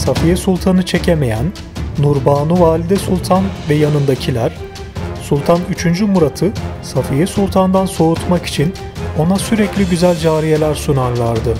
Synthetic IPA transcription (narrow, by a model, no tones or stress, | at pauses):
safijɛsulˠt̪ʰanɯt͡ʃʰe̞cʰeme̞jænː | uɾbaːnuvaːlʲid̪ɛsulˠt̪ʰanvɛjanɯnd̪acʰilʲæɾ̥ | sulˠt̪ʰanyt͡ʃʰynd͡ʒymuɾat̪ʰɯsafijɛsulˠt̪ʰand̪anso̞ut̪maki̥t͡ʃʰin | o̞nasyɾɛclʲiɟyzælʲd͡ʒaːɾije̞lʲæɾsunaɾlˠaɾd̪ɯ